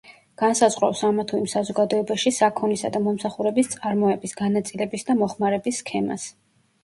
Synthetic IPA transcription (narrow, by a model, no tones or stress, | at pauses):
ɡ̥ansazʁɾɔ̰wsamat̪ʰuimsazɔɡad̪ɔɛbaʃisakʰɔnisa̰d̪amɔmsaχuɾɛbist̪sʼaɾmɔɛbisɡanat̪sʼilɛbisd̪amɔχmaɾɛbisːkʰɛma̰s